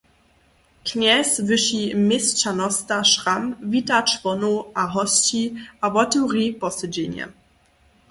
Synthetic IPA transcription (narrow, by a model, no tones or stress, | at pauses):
kʰnɛsvɨʃimɪst͡ɕanɔstaʃʁamvitat͡ʃvɔnoʔaɦɔst͡ɕiʔavɔtuʁipɔsəd͡ʑeɲɛ̰